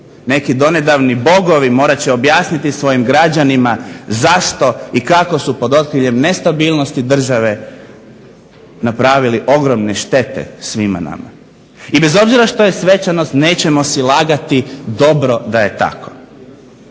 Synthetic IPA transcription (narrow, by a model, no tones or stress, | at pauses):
ne̞kid̪o̞ne̞d̪aʋnibo̞ɡo̞ʋimo̞ːɾat͡ɕeo̞bjaːsnit̪isʋo̞jimɡɾad͡ʑanimazaʃt̪o̞ikako̞supo̞d̪o̞t̪̚kɾiʎe̞mne̞st̪abiːlˠnost̪id̪r̩ʒaʋe̞ | napɾaːʋiliʔo̞ɡɾo̞mne̞ʃt̪e̞t̪ḛsʋima̰na̰ma̰ | ibe̞zo̞bziɾaʃt̪o̞je̞sʋe̞t͡ɕano̞st̪ne̞ːt͡ɕe̞mo̞silˠaːɡat̪id̪o̞bɾo̞d̪aje̞t̪a̰kʰo